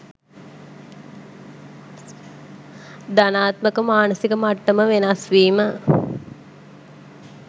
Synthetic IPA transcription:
d̪anaːt̪məkəmaːnəsikəmaʈːəməʋenɐsʋiːmə

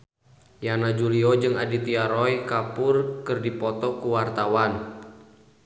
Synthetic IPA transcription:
janad͡ʒuliɔd͡ʒɨŋadit̪iaɾɔjkapʊrkɨrdipɔt̪ɔkuwart̪awan

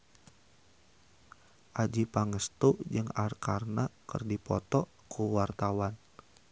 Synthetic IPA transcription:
ʔad͡ʒipaŋəst̪ud͡ʒɨŋarkarnakə̰rdipɔt̪ɔ | kuwart̪awan

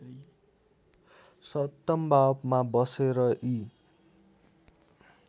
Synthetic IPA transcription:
sʌt̪ːʌmbabmabʌseɾʌʔi

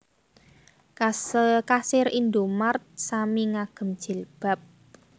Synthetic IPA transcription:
kasɪɾind̪omart̪̚samiŋaɡ̥ə̤md̥ʒ̥i̤lb̥a̤p̚

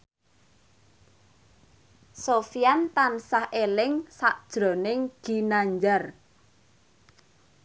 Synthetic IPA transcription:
sofijant̪ansahelɪŋsaʔd̥ʒ̥ɾɔ̤nɪŋɡ̥i̤naɲd͡ʒar

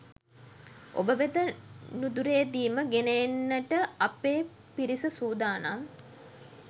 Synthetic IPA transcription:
ʔo̰bəʋed̪ənud̪uɾejːd̪iːməɡenejːnːəʈəɐpeː | piɾisəsuːd̪aːnaŋ

